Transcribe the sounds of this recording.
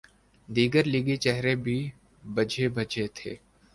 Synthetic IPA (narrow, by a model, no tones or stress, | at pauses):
d̪iːɡəɾliːɡit͡ʃɛɦɾebʱi | bəd͡ʒʱebʱɐd͡ʒʱet̪ʰḛː